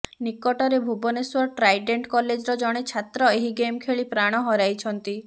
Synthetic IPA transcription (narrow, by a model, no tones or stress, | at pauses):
nikɔʈɔɾebʱubɔneswɔɾʈɾajɖeɳʈkɔled͡ʒɾɔd͡ʒɔɽ̃et͡ʃʰat̪ɾɔeɦiɡemkʰeɭipɾaɽ̃ɔɦɔɾajt͡ʃʰɔnt̪i